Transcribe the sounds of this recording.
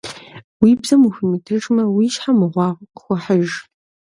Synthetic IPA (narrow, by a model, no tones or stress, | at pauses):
wiːbzɐmuxʊmitʰɨʈ͡ʂmɐwiːʃħamɨʁʷɑːʁχʷʊħəʒ